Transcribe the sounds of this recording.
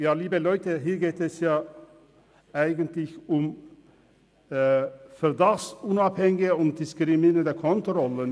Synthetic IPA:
jaːliːbəlɔʏtəɦiːɐɡeːtɛsjaː | ʔaɪɡəntlɪçʊm | fɛʁdɑχʊnɑphɛŋɪɡɪəʊnt̚d̥ɪskʁɪminədəkʰɔntʁɔlən

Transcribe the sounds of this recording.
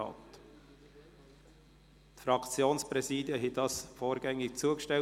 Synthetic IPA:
ɑ̰ːt | t̪fɾɑkt͡sjoːnspɾɛsiːdjəɦɛdɑsfoːɾɡ̥ɛŋːɪk̚t͡suəkʃtɛ

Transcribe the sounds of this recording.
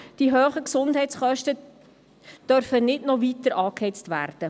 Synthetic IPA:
d̥iɦøːχəksʊnd̥ɦɛɪtt͡sχœʃtə | d̥œɾfənɪdnɔʋit̪əɾʔɑːkhɛt͡stʋæ̰ːrd̥ə

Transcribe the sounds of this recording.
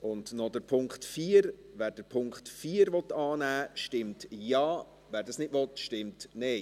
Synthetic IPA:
ʔʊndnɔd̥əɾpʰʊŋkχtfiːəɾʋæːɾd̥əɾpʰʊŋkχtfiːɾʋɔt̪ːɑːnæːʃtɪmtjɑː | ʋæːɾdɑsnɪtʋɔtʃtɪmtnɛɪ

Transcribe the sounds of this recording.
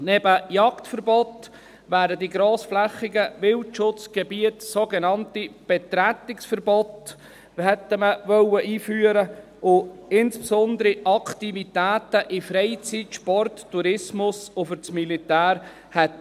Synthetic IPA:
nɛbəjɑktfəɾbɔt̪ | ʋæːɾəd̪iɡɾoːsflɛχːɪɡəʋɪltʃʊt͡sɡ̥ɛbiətsoɡɛnɑntib̥ɛt̪ɾæt̪ːɪksfəɾbɔt | hɛt̪ːəməʋœwəʔiːfyːəɾə | ʔʊɪnspsɔnd̪əɾiʔɑkt̪ivit̪æːt̪əʔɪfɾɛɪt͡sitʃpɔrtːuɾɪsmʊsʊfʏɾt͡smilit̪æːɾ | hɛt

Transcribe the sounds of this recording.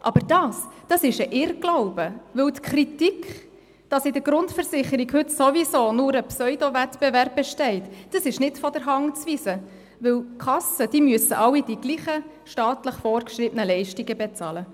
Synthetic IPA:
ʔɑ̰b̥əɾd̥ɑːsd̥ɑsɪʃəʔɪɾɡ̥laʊb̥əʋɵwtkʰɾitikχ | d̥ɑsɪdəɡɾʊntfəɾsɪχəɾiɡhʏtsovisoːnʊɾəpsœʏdovɛtb̥ɛvɛrb̚bɛʃtɛɪtd̥ɑsɪʃnɪtfɔdəɾɦɑŋt͡sʋisə | ʋɵwkχɑsəd̥iːmyəsəʔɑwid̥iɡ̥liːχə | ʃtɑːtləχfɔːrkʃɾɪbənəlɛɪʃtiɡəbɛt͡sɑːlə

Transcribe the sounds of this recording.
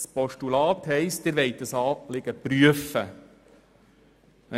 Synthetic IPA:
spɔʃtulɑːt̪hɛɪst̚d̪ɪɾʋɛɪt̪̚ːəsɑːlɪɡ̥əpɾyəfə

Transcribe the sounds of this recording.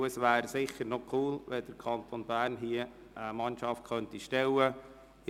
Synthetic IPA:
əsʋæːɾsɪχəɾnɔkʰuːlʋɛd̥əɾkʰɑnt̪onbæːrnɦiə | əmɑnʃɑft̚χœnt̪iʃtɛwə

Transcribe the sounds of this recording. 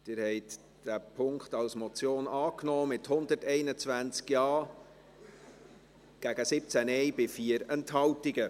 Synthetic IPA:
d̥ɪːɾhɛɪt | d̥æpʰʊŋkχtɑlsmɔt͡sjoːnɑːknɔːmɪthʊnd̪ətɛɪnət͡svænt͡skjɑː | ɡ̥æɡ̥əsɪp̚t͡sænɛɪbɪfiəɾɛnthɑltɪɡə

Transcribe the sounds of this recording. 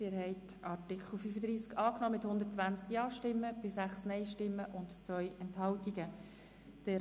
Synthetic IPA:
ɪːɾhɛɪt | ɑɹtɪkʰl̩fyfəd̪ɾiːskɑːknɔːmɪthʊnd̪ətt͡svænt͡skjɑːʃtɪmːəb̥ɪsæχsnɛɪʃtɪmːəʔʊntt͡svœʏɛnthɑltiɡə | d̥ɛ

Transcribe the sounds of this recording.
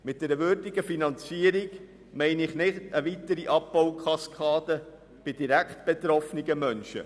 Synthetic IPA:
mɪt̚d̥ɛɾəʋøːɾdɪɡəfinɑnt͡siəɾiɡ | mɛɪnɪχnɪχtəʋit̪əɾiʔɑpːɔwkʰχɑskʰɑːd̪ə | b̥ɪd̥iɾæktb̥ɛt̪ɾɔfniɡəmœnʃə̰

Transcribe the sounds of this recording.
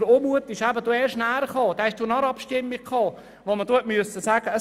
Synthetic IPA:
oːmuət̪ɪʃæbəduːɛːʃnæːɾəχɑːd̥̪ɛɛʃd̥uːnɑɾɑpʃtɪmːikkʰχɑː | ʋoməd̥ut̚myəsəsæːɡ̥əə

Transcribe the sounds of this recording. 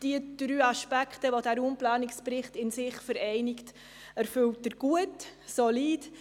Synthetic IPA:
d̥iəd̥ɾyːɑʃpækχtəʋodæːɾumplaːnɪkspɾɪχtɪnsɪχfəɾɛɪnɪkt | æɾfʏlt̚əɾɡ̥uətsoliːd

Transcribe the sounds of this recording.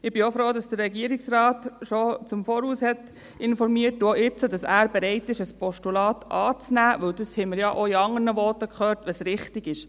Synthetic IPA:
ɪb̥iofɾoːdɑsd̥ərːɛɡiəɾɪksrɑːtʃot͡sʊmfɔːɾuːshɛt | ɪnfɔɾmiət̚duoʔɪt͡sədɑsæːɾbeɾɛɪtɪʃəspɔʃtulɑːtʔɑːt͡snæːʋɵwdəshɛɪməɾjɑʔoiɑŋːərnəʋɔːtːəkχøːɾtʋɑsɾɪχtɪɡɪʃ

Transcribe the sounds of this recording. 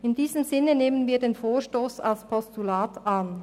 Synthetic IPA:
ɪndiːzəmzɪnəneːmənviːɐdeːnfoːɐʃtoːsa̰lspʰɔstulaːtʔan

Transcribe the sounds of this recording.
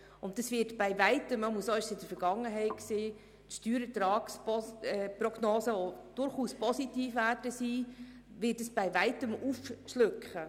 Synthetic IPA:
ʊnt̚ːɑsʋɪːtb̥ɛɪvæɪtəmmuəsoɪʃsɪdəɾfəɾɡɑŋəɦɛɪtksiː | tʃtyːɾət̪ɾɑːkspɔɛprɔɡ̥noːsəod̥ʊɾχuːspʰɔsitiːfʋæːɾdəsiː | ʋɪːt̚dəsb̥ɛɪvæɪtəmufʃlʏkχə

